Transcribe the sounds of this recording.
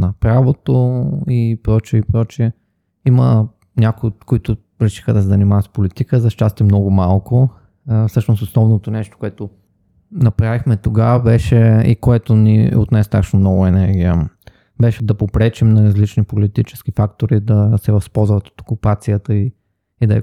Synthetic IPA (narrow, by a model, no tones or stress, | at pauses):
nɐpɾavot̪oipɾɔt͡ʃiɛipɾɔt͡ʃiɛ | imə | nʲakʊikoit̪ʊ | ɾɛʃi̥xəd̪ɐsɛzɐnimavɐt̪spolit̪ikəzɐʃt͡ʃast̪ɛmnɔɡʊmalˠkʊ | fsɤʃnʊst̪oslˠɔvnot̪onɛʃt̪o̥koɛt̪o | nɐpɾavixmɛt̪oɡabɛʃɛḭkoɛt̪ʊnḭo̰t̪najst̪aʃnomnɔvʊɛnɛɾɡʲiə | bɛʃɛd̪ɐpopɾɛt͡ʃɛmnɐɾɐzlit͡ʃnipolit̪it͡ʃɛ̥skifakt̪oɾid̪ɐsɛvɐspɔlˠzvɐt̪o̥t̪o̥kupat̪sijət̪əi | id̪ɐɛ